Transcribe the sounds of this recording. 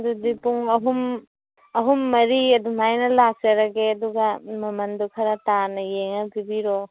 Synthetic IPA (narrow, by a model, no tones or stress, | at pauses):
dudipuŋɐɦum | ɐɦumːɐɾiɐdumajnɐlak̚t͡ʃɐɾɐɡeɐduɡɐmɐmɐndukʰɐɾɐtanɐjeŋɐbibiɾo